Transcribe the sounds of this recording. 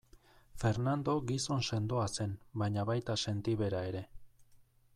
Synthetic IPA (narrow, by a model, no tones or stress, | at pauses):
fe̞ɾnand̪o̞ɡiso̞nse̞nd̪o̞ase̞nbajɲaβajt̪ase̞nt̪iβe̞ɾae̞ɾe̞